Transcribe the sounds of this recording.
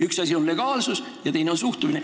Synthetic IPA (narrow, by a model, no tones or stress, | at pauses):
yksɑsʲio̞nle̞ɡ̥ɑːlsus | jɑt̪e̞jneo̞nsuht̪umine